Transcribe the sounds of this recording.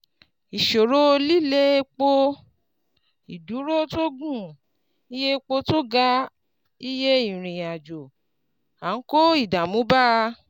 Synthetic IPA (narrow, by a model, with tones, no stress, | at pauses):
i˨ʃo˨ɾo˦˧li˦˨le˦k͡po˧ | i˨du˨˦ɾo˦to˦ɡũ˦˨ | i˦je˦k͡po˧to˦ɡa˦ | i˦je˦ĩ˦˨ɾ̃ĩ˨a˨d͡ʒo˨ | a˨˦ko˦i˦˨da˨mũ˨˦ba˦˧